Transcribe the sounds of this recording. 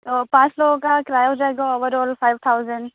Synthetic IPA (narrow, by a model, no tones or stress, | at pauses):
t̪ɔpaslɔkakɾajɔwd͡ʒajɡɔɔbəɾɔlpʰajb̚tʰawzən